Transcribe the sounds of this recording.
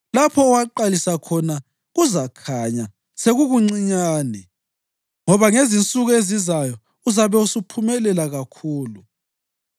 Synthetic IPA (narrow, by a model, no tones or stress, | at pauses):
lapʰɔːwaǃalisakʰɔna | ɣuzakʰaɲa | seɣuɣuŋ͡ǀiɲaːnɛ | ŋɔβaŋezint͡sʼuɣɔezizajɔ | uzaβɛusupʰumɛlɛlaɣakʰuːlu